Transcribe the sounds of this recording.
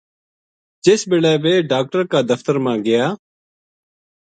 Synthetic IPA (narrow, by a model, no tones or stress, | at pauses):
d͡ʒeːsbɪɭɛːbeːɖaːk̚ʈəɾkaːd̪əft̪əɾmãːɡɪjaː